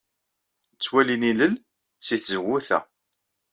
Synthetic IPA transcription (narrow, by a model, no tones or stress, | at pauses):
t͡sːwæliniləl | t͡sːiθzəɣuθæ̰